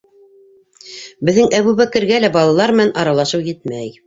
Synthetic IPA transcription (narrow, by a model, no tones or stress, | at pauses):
bɘ̆ðːɘŋʔæβuβækɘ̆ɾɡælæbɑlˠɑlˠɑɾmɘ̆nænʔɑɾɑlˠɑʃɤwjɘt̪̚mæj